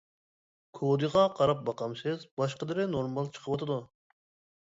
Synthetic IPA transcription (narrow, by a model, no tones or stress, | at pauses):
kʰod̪ɨʁɑqʰɑɾɑp̚bɑqɑmsɪzbɑʃqəd̪ɪɾɪnoɾmɑlˠt͡ʃʰə̥qʰəwɑt̪ʰɨd̪u